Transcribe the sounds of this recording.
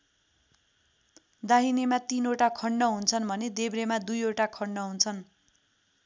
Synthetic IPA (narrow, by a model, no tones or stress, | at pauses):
d̪aɦinemat̪inoʈakʰʌɳːʌɦunt͡sʰʌnbʱʌned̪ebɾemad̪ujoʈakʰʌɳːʌɦunt͡sʰʌn